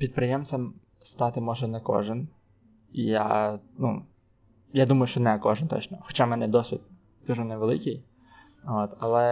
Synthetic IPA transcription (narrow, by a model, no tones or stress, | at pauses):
pʲid̪̚pɾɪjɛmt͡s̪ʲɛm | st̪ɑt̪ɪmɔʒɛnɛkɔ̰ʒɪn | ija̰nu | jad̪umɐjʊʃt͡ʃɔnɛkɔʒɪnt̪ɔ̰t͡ʃnɔxɔ̥t͡ʃamɛnɛd̪ɔsʲʋʲid̪̚ | kɐʒunɛʋelˠɪ̰kɪj | ot̪ɐlˠɛ